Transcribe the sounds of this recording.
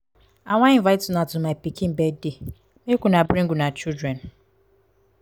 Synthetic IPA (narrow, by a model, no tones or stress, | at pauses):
aŋʷaiɱvaɪtunatʊmajpikibɛde | mekʷunabɾiŋ̩ɡunat͡ʃidɾen